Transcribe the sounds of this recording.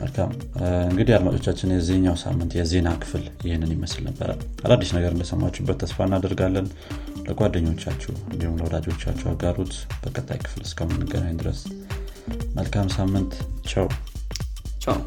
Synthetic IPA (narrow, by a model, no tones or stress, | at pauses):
mə̰lkʰa̰m | ɨŋɡɨd̪ihjad̪mat͡ʃʼo̞̰t͡ʃːat͡ʃːɪnjɛzeɲːawsa̰mːɨnt̪jɛze̞nakʰɨ̥fljɪhɪnːɨnjɪməslnəbːə̰ɾə̰alad̪ːiʃnəɡəɾɨnd̪əsəmːat͡ʃːubət̪ʰːəsfaɨnːad̪əɾɡalːən | ləɡʼʷad̪ːəɲːo̞t͡ʃːa̰t͡ʃːɛ̰wɨnd̪ihumləwɔd̪ad͡ʒwot͡ʃːa̰t͡ʃːɛwa̰ɡaɾot̪b̥əkʼət̪ʼːa̰jkʰɨ̥flɨskʰəmɨnːɨɡə̰najnd̪ɨɾə̰s | məlkʰamsamːɨnt̪t͡ʃʰɛw | t͡ʃw